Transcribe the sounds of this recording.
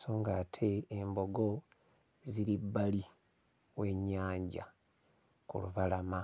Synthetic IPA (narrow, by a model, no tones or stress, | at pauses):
soːŋɡaːtʰe̞ːmbo̞ɡo̞ | ziɾibːali | we̞ɲːaːɲɟa̰ | kṵluβalama